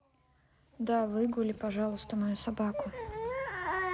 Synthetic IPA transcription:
d̪avɨɡʊlʲɪpɐʐɑlˠʊst̪əmɐjusɐbakʊ

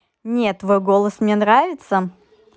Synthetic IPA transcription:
nʲet̪ːvojɡolˠəsmnʲenɾavʲɪt̪sə

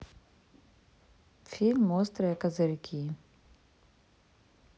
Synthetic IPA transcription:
fʰilmoːst̪ɾɛkɐzɐɾkʰi

